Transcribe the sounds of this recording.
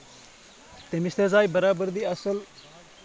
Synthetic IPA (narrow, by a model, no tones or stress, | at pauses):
t̪emist̪ezaːjbɐɾaːbəɾd̪iːɐsəl